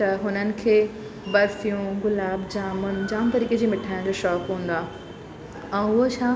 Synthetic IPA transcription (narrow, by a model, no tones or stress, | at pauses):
t̪ɐɦʊnənɪ̆kʰeː | bɐsijũɡʊlaːbd͡ʑaːmʊn̆d͡ʑaːmt̪ɐɾiːked͡ʑiːmɪʈʰaːɪ̃d͡ʑoʃɔːkɦũːn̆d̪aː | ɛ̃ːʊɦot͡ɕʰãː